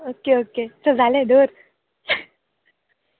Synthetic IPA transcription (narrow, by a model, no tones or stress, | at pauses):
okeoket͡səd͡zʱalẽd̪oɾ